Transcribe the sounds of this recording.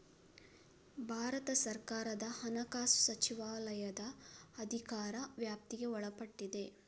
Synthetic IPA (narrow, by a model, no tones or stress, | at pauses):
bʱaːɾɐt̪ɐsɐɾkaːɾɐd̪ɐhɐnɐkaːsu̥sɐt͡ʃiʋaːlɐjɐd̪ɐːd̪ʱikaːɾɐʋjaːp̚t̪iɡe̞ɔɭɐpɐʈːid̪e̞